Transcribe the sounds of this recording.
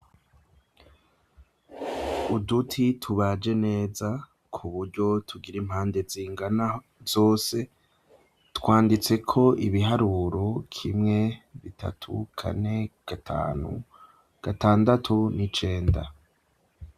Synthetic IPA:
udutʰitʰuβad͡ʒe̞ne̞ːza | kʰuβuɾɟo̞tʰuɡiɾimhaːnde̞ziːŋɡana | z̥o̞ːse̞ | tkwaːndit͡se̞kʰo̞iβiɦaɾuɾo̞kʰimŋe̞βitʰa̰tʰṵkʰa̰ne̞ɡ̥atau | ɡ̥ataːndatʰunit͡ʃe̞ːnda

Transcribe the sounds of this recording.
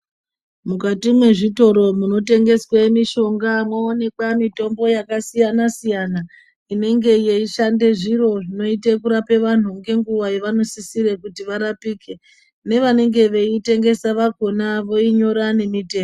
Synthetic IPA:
mukatimwe̞ʐito̞ɾo̞muno̞te̞ŋɡe̞swamiʃo̞ŋɡamwaone̞kwamito̞mbo̞jakasijanasijana | ine̞ŋɡe̞jeiʃande̞ʐiɾo̞ʐino̞itekuɾape̞ʋan̤uŋɡe̞ŋɡuʋajeʋano̞sisiɾe̞kutiʋaɾapiːke̞ | ne̞ʋane̞ŋɡe̞ʋe̞ite̞ŋɡe̞saʋaɡʱo̞naʋo̞iɲo̞ɾane̞mite̞ː

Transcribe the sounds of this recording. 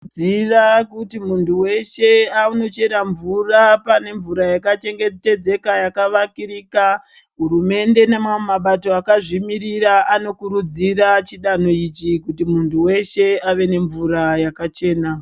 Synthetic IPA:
d͡zirakutimuntʰuwe̞ʃe̞auno̞t͡ʃe̞ɾaɱvurapane̞ɱvuɾajakat͡ʃe̞ŋɡete̞d͡ze̞kajakaʋakiriːka | ɦuɾume̞nde̞nemamaɓato̞akaʐimiriɾaano̞kuɾud͡zirat͡ʃiɗano̞it͡ʃikutimuntʰuwe̞ʃe̞aʋe̞ne̞ɱvuɾajakat͡ʃe̞ːna

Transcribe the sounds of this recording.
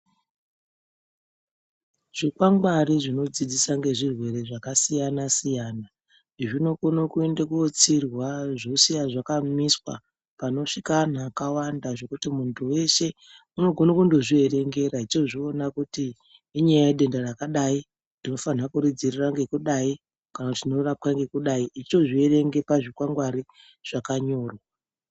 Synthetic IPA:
ʐ̥ikwaŋɡwaɾiʐino̞d͡zid͡zisaŋɡe̞ʐirwe̞ɾe̞ʐakasijanasijaːna | ʐino̞konokue̞ndekuot͡sirwaʐosianʐakamiswa̰ | pano̞ʂikanaːkawandaʐo̞kutimuntʰuwe̞ʃe̞ | uno̞ɡʱo̞nokundo̞ʐiere̞ŋɡe̞ɾait͡ʃo̞ʐionakutiː | ɲajajeɗe̞ndarakaɗai | nd̥ino̞fanakuɾid͡ziriraŋɡe̞kuɗai | kanakutinorap̚kaŋɡe̞kuɗaiʔit͡ʃo̞ʐie̞ɾe̞ŋɡe̞paʐikwaŋɡwaɾi | ʐ̥akaɲo̞ːrwa

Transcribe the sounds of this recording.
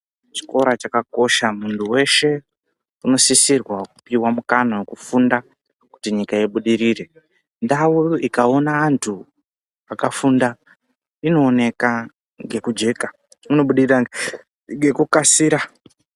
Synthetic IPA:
t͡ʃi̥ko̞ɾat͡ʃakako̞ʃamuntʰuwe̞ʃe̞ | uno̞sisirwakupiwamukanawekufunda | ku̥tiɲikaiɓuɗiɾiːre̞ | ndawuikao̞naːntʰu | akafunda | ino̞ːne̞ka | ŋɡe̞kud͡ʒe̞ka | uno̞ɓuɗiriraŋɡe | ŋɡe̞kukasiːɾa

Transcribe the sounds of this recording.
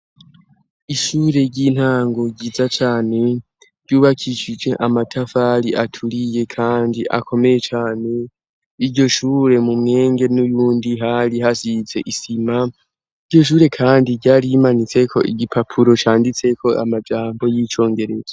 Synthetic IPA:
iʃuɾe̞ɟin̥haːŋɡo̞ɟiːzat͡ʃaːne̞ | ɾɟjuːβakʰiʃid͡ʒe̞ʔamatʰafaɾiʔatʰuɾije̞kʰaːndiʔa̰kʰo̞me̞je̞t͡ʃaːne̞ | iɾɟo̞ʃuːɾe̞mumŋe̞ːŋɡe̞nujuːndiɦaɾiɦasize̞ʔisima | iɾɟo̞ʃ̬uːɾe̞kʰaːndiɟaːɾiimanit͡se̞kʰo̞̰ʔiɡipʰapʰuɾo̞t͡ʃaːndit͡se̞kʰo̞ʔa̰mad͡ʒaːmbo̞jiːt͡ʃo̞ːŋɡe̞ɾe̞z̥a

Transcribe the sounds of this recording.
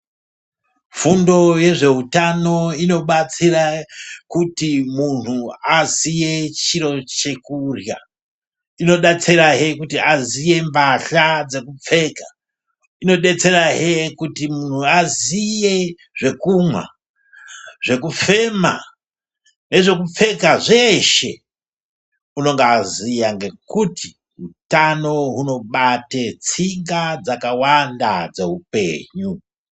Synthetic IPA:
fundo̞je̞ʐe̞ɦutano̞ino̞ɓat͡sirakutimun̤uazije̞t͡ʃiɾo̞t͡ʃe̞kurja̰ | ino̞ɗat͡seɾaɦekutiazije̞mbaɬad͡ze̞kup͡fe̞ːka | ino̞ɗe̞t͡se̞ɾaɦekutimun̤uazije | ʐ̥e̞kumwa̰ | ʐe̞kup͡fe̞ma̰ | ne̞ʐe̞kup͡fe̞kaʐeʃe̞ | uno̞ŋɡazijaŋɡe̞kuti | ɦutano̞ɦuno̞ɓatet͡siŋɡad͡zakawanda̰d͡ze̞ɦupe̞̰ːɲu

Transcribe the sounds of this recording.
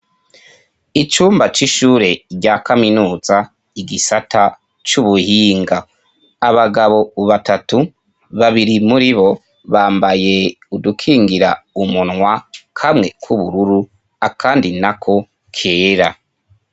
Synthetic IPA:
it͡ʃuːmbat͡ʃiʃuːɾe̞ɾɟakaminuːza | iɡisata | t͡ʃuβuhiːŋɡaː | βaɡaβo̞βatatu | βaβiɾimuɾiβo̞ | βaːmbaje̞ | udukʰiːŋɡiɾaumunŋwakʰamŋe̞kʰuβuɾuɾu | akʰaːndinakʰo̞ | kʰeːɾa

